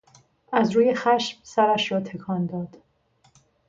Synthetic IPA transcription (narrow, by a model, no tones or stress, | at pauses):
æzɾuːje̞xæʃmsæɾæʃɾɒːt̪ʰe̞kʰɒːnd̪ɒːd̪̥